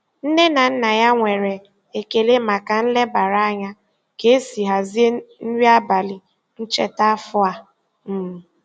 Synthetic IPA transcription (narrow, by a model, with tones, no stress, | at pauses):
n̩˦ne˦na˨n̩˦na˨ja˦ŋʷe˨ɾe˨ | e˨ke˨le˦ma˨ka˨n̩˦le˦ba˨ɾa˦a˦ɲa˦ | ke˨˦e˦si˨ɦa˨zi˦e˦n̩˦ɾi˦a˦ba˨li˨ | n̩˦t͡ʃe˦ta˦fʊ˦a˨ | m̩˦˨